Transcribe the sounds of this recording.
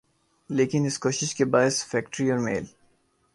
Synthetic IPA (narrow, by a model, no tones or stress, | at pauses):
leːkɪnɪskoːʃɪʃkebaːɪsfɛːk̚ʈɾiɔːɾmḛːl